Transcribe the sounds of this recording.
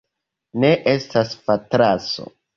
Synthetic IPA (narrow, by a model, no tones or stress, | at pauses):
ne̞ʔe̞staspatɾaso̰